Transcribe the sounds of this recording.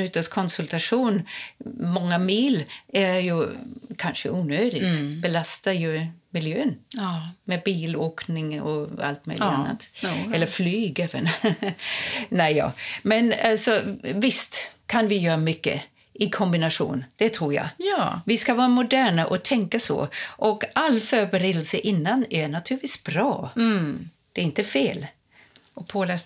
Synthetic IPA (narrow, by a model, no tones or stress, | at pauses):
ʉt̪ːəʂkʰɔnsʉlt̪ʰaʂuːn | mɔŋːamiːlæɾjʉkʰanʂə̰ʔuːnøːd̪ɪɡɡbɛlast̪ajɵmɪljøːnmɛbiːloːknɪŋɔ̰a̰lt̪̚mœ̰ʏlɪanːa̰t̪ɛlːəflyːɡeːvə̰n | næɪjɑ̰ːmɛnalsɔvɪst̪kʰanvɪjœːɾamʏkːə̰ | ʔɪkʰɔmbɪnaʂṵːnd̪̥ɛt̪ʰɾuːɾja̰jvɪskavɑːɾamʊd̪æːɳaʔɔt̪ʰɛŋkasɔ̰ʔɔkalːfœːɾbɛɾeːd̪əlsəʔɪnːanæɳat̪ʰʉːɾviːsb̥ɾɑː | d̪̥ɛɾɪnt̪əfeːl | ɔpʰoːlɛ